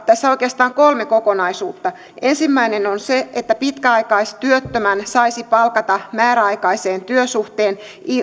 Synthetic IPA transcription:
t̪æsːæoikeɑst̪ɑːŋkolmeko̞konɑisuːt̪ːɑ | e̞nsimːæinenonseet̪ːæpit̪kæɑikɑist̪yøt̪ːømænsɑisipɑlkɑt̪ɑmæːɾæɑikɑise̞ːnt̪yøsuht̪eːn | i

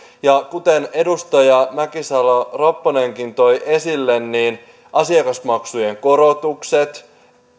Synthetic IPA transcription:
jɑkut̪e̞ne̞dust̪ɑjɑmækisɑloropːone̞ŋkint̪o̞jʔe̞silːenːiːn | ʔɑsiɑkɑsmɑksuje̞ŋko̞ɾot̪ukset̪

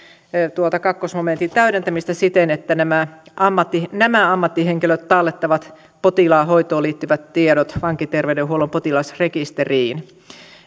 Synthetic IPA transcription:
t̪uolt̪ɑkɑkːosmoment̪it̪æyɾent̪æmist̪æsit̪enet̪ːænæmæʔɑmːɑt̪ːinæmæɑmːɑt̪ːiheŋkiløt̪t̪ɑlːet̪ːɑʋɑt̪ | pot̪ilɑːhoijt̪oːliːt̪ːyʋæt̪t̪ieɾot̪ʋɑŋkːit̪erʋeydeɦuolompot̪ilɑsrekist̪eriːn

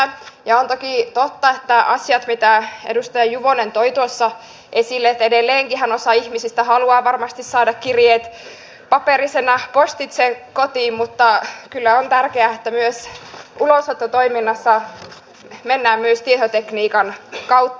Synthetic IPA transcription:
jɑont̪okit̪ot̪ːɑet̪ːæɑsjɑt̪mit̪æḛdust̪ɑjɑjuʋonent̪oit̪uosːɑ | ʔesilːet̪ːedelːeːŋkihænosɑihmisist̪æhɑluɑːʋɑrmɑst̪issɑːdɑkkirjeːt̪ | pɑperisenɑpost̪it̪sekot̪iːmmut̪ːɑkylːæont̪ærkeæet̪ːæmyøsuloset̪ːɑt̪oiminːɑsːɑ | menːæːmmyøst̪iehot̪ekniːkɑnkɑwt̪ːɑ

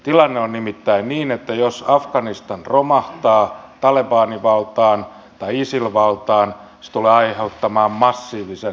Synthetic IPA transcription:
t̪ilɑnːeonnimit̪ːæinniːnet̪ːæjosɑfkɑnist̪ɑnromɑht̪ɑːt̪ɑlebɑːniʋɑlt̪ɑːn | t̪ɑiisilʋɑlt̪ɑːn | se̥t̪uleːɑiheut̪ːɑmɑːmmɑsːiːʋise

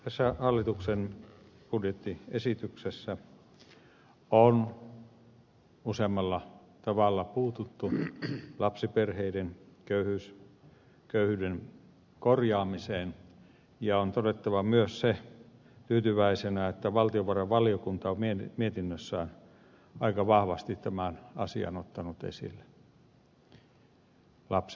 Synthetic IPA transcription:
t̪æsːæhɑlːit̪uksen | b̥udjet̪ːiesit̪yksesːæ | on | usemːɑlːɑ | t̪ɑʋɑˑlːɑpuːt̪ut̪ːulɑpsiperheidenkøyhyːs | køyhyːden | korjɑːmiseːn | jɑont̪odet̪ːɑʋɑmyøsse | t̪yːt̪yʋæisenæet̪ːæʋɑlt̪ioʋɑreʋʋɑliokunt̪ɑomiemiet̪inːøsːæon | ɑikɑʋɑhʋɑst̪it̪t̪æmænɑ̰sḭɑ̰not̪ːɑnut̪ḛsḭlːe̥ | lɑpsi̥

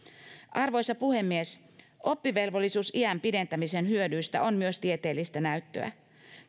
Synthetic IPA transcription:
ʔɑrʋo̞jsɑpuhe̞mːie̞s | ʔo̞pːiʋe̞lʋo̞lːisuːsiæmpide̞nt̪æmise̞nhyødyjst̪æ̰ʔo̞nmyø̞st̪iet̪e̞ːlːist̪ænæyt̪ːø̞̰æ̰

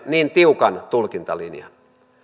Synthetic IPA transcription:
niːnt̪iukɑnt̪ulkint̪ɑlḭnjɑ̰n

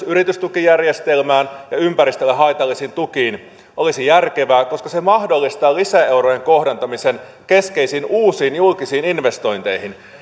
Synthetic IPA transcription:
yɾit̪yst̪ukijærje̞st̪e̞lmæːnjɑympæɾist̪elːeɦɑjt̪ɑlːisint̪ukiːn | ʔo̞lisijærkeʋæːko̞skɑse̞mɑhdo̞lːist̪ɑːlisæe̞wɾo̞je̞ŋko̞hdɑnt̪ɑmise̞n | ke̞ske̞isiːnuːsiːnjulkisiːninʋe̞st̪o̞jnt̪e̞jɦin

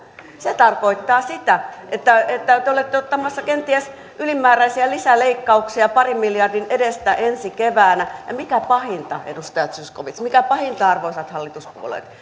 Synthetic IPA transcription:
set̪ɑrkoit̪ːɑːsit̪æʔet̪ːæet̪ːæt̪eolet̪ːeot̪ːɑmɑsːɑkent̪iæs | ʔylimːæːɾæisiælisæleikːɑuksiɑpɑrimmiljɑrdinedest̪æʔensikeʋæːnæjɑmikæpɑhint̪ɑ̰ḛdust̪ɑjɑt̪syskoʋit̪smikæpɑhint̪ɑɑrʋoisɑt̪hɑlːit̪uspṵo̰lḛt̪

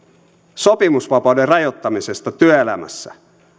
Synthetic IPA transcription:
so̞pimusʋɑpɑwderrɑjo̞t̪ːɑmise̞st̪ɑt̪yøelæmæ̰sːæ̰

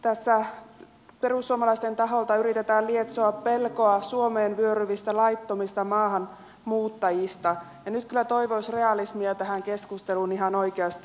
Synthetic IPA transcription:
t̪æsːæ | pe̞rusːuomɑlɑist̪e̞nt̪ɑɦolt̪ɑyɾit̪et̪æːliet̪soɑppe̞lkoɑsuomeːnʋyøɾyʋist̪ælɑit̪ːomist̪ɑmɑːɦɑn | muːt̪ːɑjist̪ɑ | jɑnyt̪kylːæt̪o̞iʋoisre̞ɑlismiɑt̪æɦæŋke̞skust̪eluniɦɑnojkeɑst̪i

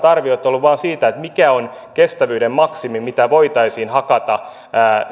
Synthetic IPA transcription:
t̪ɑrʋiot̪ːolːuʋɑːnsiːt̪æet̪mikæon | kest̪æʋyːdemmɑksimimit̪æʋoit̪ɑisiːnhɑkɑt̪ɑː

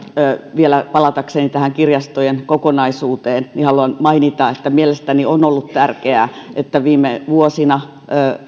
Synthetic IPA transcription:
øːʋielæpɑlɑt̪ɑksenit̪æhæŋkirjɑst̪ojenkokonɑisuːt̪eːnnihɑluɑnmɑinit̪ɑet̪ːæmielest̪ænionolːut̪t̪ærkeæ̰ːʔet̪ːæʋiːmːeʋuosinɑ | əː

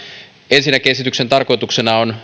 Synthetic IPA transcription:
ensinːækesit̪ykse̞nt̪ɑrkojt̪ukse̞nɑon

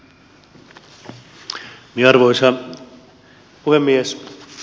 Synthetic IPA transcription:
mieɑrʋojsɑ | puhemːies

